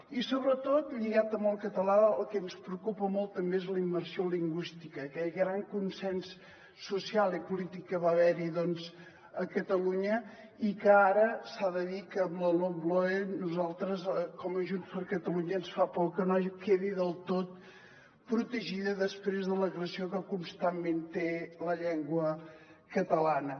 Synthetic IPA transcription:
isoβɾət̪ot̪ʎiɣat̪əmolˠkət̪əlaəlˠkɛnspɾəukupəmolˠt̪ːəmbeezləimːərsioliŋɡwist̪ikəːkɛʎɣɾaŋkunsɛnsː | usialˠipulit̪ikːəβaβɛɾiðɔnz | əkət̪əluɲə | ikəaɾəsaðəðikəːmləlomblɔenuzalˠt̪ɾəzkɔməʒunspəɾkət̪əluɲəːnsfapɔkənaʒkeðiðəlˠt̪ot̪̚ | pɾut̪əʒiðəðəspɾezðələɣɾəsiokəkunst̪amment̪eləʎɛŋɡwə | kət̪əlanə

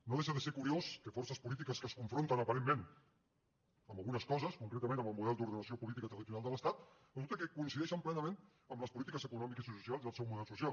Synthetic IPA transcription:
noðeʃəðəseɾkuɾioskəfɔrsəspulit̪̬ikəskəskuɱfɾont̪ənəpəɾemːen | əmbəlˠɣunəskɔzəskuŋkɾet̪əmẽnəməlˠmuð̞ɛlˠd̪uɾðənəsiopulit̪ikət̪ɾəðit̪unalˠd̪ələst̪at̪ | əðut̪əkəkuinsiðɛʃəmplɛnəmen | əmləspulit̪ikəzəkunɔmikisisusialˠzðəlˠsɛwmuðɛlsusial

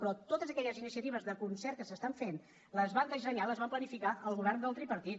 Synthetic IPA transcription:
pɾɔt̪ot̪əzəkɛʎəzinisiət̪iβəzðəkunsɛrt̪̚kəsəst̪aɱfen | ləzβand̪əs̬əɲaləzβamplənifikaʔəlˠɣuβɛrnd̪alˠt̪ɾipəɾt̪it̪

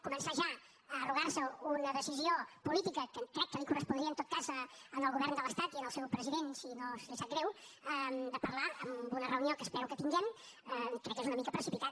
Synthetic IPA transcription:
kumənsaʒa | əruɣ̞arsəunəðəsiziopulit̪ikəkəkɾɛkːəlikurəspund̪ɾiənt̪ot̪̚kazəənəlˠɣuβ̞ɛrnd̪ələst̪at̪iənəlˠsɛwpɾəziðensinoseʃat̪ɡɣɾɛw | əd̪əpəɾlaəmbunərəuniokəːspɛɾukəp̪inʒɛm | əkɾɛkːezunəmikəpɾəsipit̪a

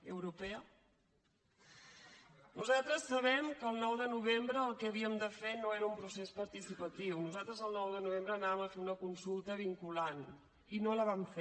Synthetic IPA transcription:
əwɾupɛə | nuzat̪ɾəsːəβɛmkəlˠnɔwðənuβ̞embɾəːlˠkɛəβ̞iəmd̪əfenoeɾəumpɾusespəɾt̪isipət̪iwnuzat̪ɾəzəlˠnɔwðənuβ̞embɾəːnaβəməfeunəkunsulˠt̪əβ̞iŋkulan | inoləβamfe

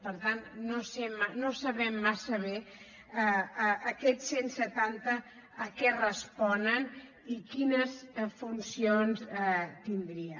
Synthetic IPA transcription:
pəɾt̪annosemːanosəβɛmːasəβɛ | kɛtsensət̪ant̪əː | kɛrəspɔnən | ikinəsfunsionsɛt̪ind̪ɾiə

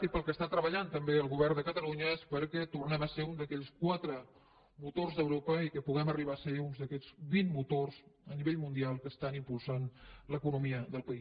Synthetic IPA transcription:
ipəlˠkəst̪at̪ɾəβəʎant̪əmbeəlˠɣuβɛrnd̪əkət̪əluɲəespəɾkɛt̪urnɛməseund̪əkɛʎskwat̪ɾə | mut̪orzðəwɾopəikəpuɣɛməriβ̞aəseunzðəkɛʎzbinmut̪orzəniβeʎmund̪ialˠkəst̪animpulˠsanləkunumiəðəlˠpəi

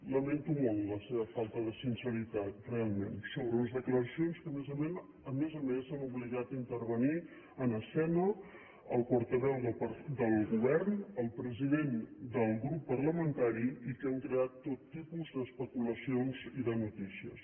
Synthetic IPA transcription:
ləment̪umolˠləseβəfalˠt̪əðəsinsəɾit̪at̪̚realˠmḛnsoβɾəuəzðəkləɾəsionskəmezəmen | əmezəmesanuβliɣat̪əint̪əɾβəni | ənəsɛnə | əlˠpɔɾt̪əβɛwðəpəd̪əlˠɣuβɛrnəlˠpɾəziðend̪əlˠɣɾupːərləmənt̪aɾiikəŋkɾeat̪ːot̪ːipuzd̪əːspəkuləsionziðənut̪isiəs

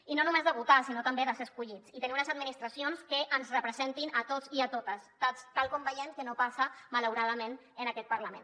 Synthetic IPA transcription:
inonumezðəβut̪asinot̪əmbeðəseəskuʎit͡sit̪ənimunəzəd̪̚minist̪ɾəsionskəʔənzrəpɾəzent̪inət̪ot͡siət̪ot̪əst̪ast̪alˠkombəjɛmkənopasəmələwɾaðəmẽn | ənəkɛt̪̚pəɾləmḛ̃n

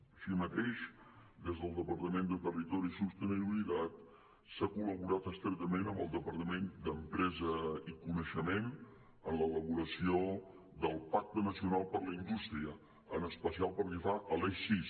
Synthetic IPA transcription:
əʃimət̪eʃd̪ezðəlˠd̪əpəɾt̪əmend̪ət̪ərit̪ɔɾisust̪əniβββilit̪at̪ | sakuləβuɾat̪əst̪ɾɛt̪əmenəmbəlˠd̪əpəɾt̪əmend̪əmpɾɛzəikunəʃəmen | ənlələβuɾəsio | d̪əlˠpak̚t̪ənəsiunalˠpəɾləind̪ust̪ɾiə | ənəspəsialˠpəɾʒəfaʔəlɛsis

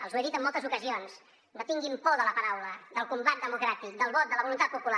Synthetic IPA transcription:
əlˠzueðit̪əmːɔlˠt̪əzukəzions | d̪ət̪iŋɡimpɔðələpəɾawləd̪əlˠkumbat̪̚d̪əmukɾat̪ik̚d̪əlˠβɔt̪̚ələβulunt̪at̪̚pupula

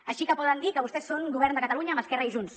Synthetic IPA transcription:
əʃikəpɔðənd̪ikəβust̪ɛsːoŋɡuβɛɾrnd̪əkət̪əluɲəːməskɛrəiʒuns

